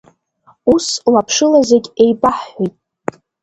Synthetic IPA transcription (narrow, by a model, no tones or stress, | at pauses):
uslapʰʂɨlazeɡʲe̞jbaħʷijtʼ